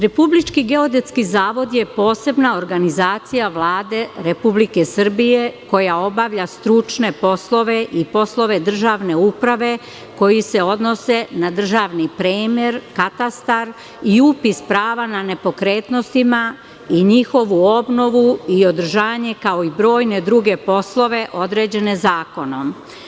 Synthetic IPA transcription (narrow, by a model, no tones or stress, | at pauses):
ɾe̞publit͡ʃkiɡe̞o̞d̪et̪skizaːʋo̞d̪je̞po̞ːse̞bnao̞ɾɡanizaːt̪sijaʋlaːd̪e̞ɾe̞publike̞sr̩bije̞ko̞jao̞baʋʎast̪ɾut͡ʃne̞po̞slˠo̞ʋeʔipo̞slˠo̞ʋe̞d̪r̩ʒaʋne̞upɾaʋe̞ | ko̞jise̞o̞d̪no̞se̞nad̪r̩ʒaʋnipɾeːmjeɾkat̪ast̪aɾ | iupispɾaːʋanane̞po̞kɾe̞ːt̪no̞st̪ima | iɲixo̞ʋuo̞bno̞ʋuio̞d̪r̩ʒaːɲe̞kao̞ibɾo̞ːjne̞d̪ɾuɡe̞po̞slˠo̞ʋe̞ʔo̞d̪ɾe̞ːd͡ʑe̞ne̞zaːko̞no̞m